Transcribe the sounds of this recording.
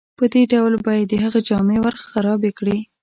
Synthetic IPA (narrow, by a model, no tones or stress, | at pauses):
pəd̪eɖawlbɑjad̪ːəɦəɣad͡ʒɑmewaɾxxaɾɑbekɽi